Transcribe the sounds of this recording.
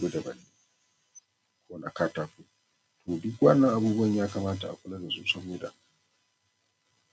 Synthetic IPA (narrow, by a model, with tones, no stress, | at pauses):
ɡo˦da˨ba˨niː˦ | kʰo˦na˨kaː˦taː˨ku˦ | tʰoː˨du˦kwa˦nːa˦ʔa˨buː˦bu˦ɐ˨ɲjaː˦ka˨maː˦ta˨a̰˨kʷʊ˦la˦da˨zu˨sa˦boː˦da̰˨